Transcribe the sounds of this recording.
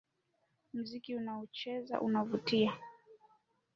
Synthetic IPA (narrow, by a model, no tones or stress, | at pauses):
m̩zikiunaɔt͡ʃɛza̰ʔṵnavutia